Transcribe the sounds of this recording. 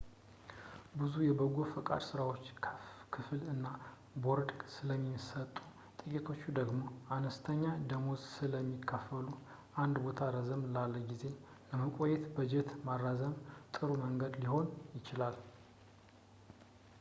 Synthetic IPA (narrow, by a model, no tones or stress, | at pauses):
bɨzujɛbəɡofəkʼa̰d̪sɨɾawo̞t͡ʃːʰkʰɨfɨlɨnːa | boɾd̪sɨləmːisət̪ʼːu | t̪ʼɨkʼit̪ʰo̞t͡ʃːud̪əɡmo̞anəst̪ʰəɲːad̪əmo̞zsɨləmːikʰːəfːəlu | ʔand̪bo̞t̪ʰaɾəzəmlalːəɡize̞ | ləməkʼojːɛt̪bəd͡ʒɛt̪marːazəmt̪ʼɨɾuməŋɡəd̪liho̞njɪt͡ʃɪlal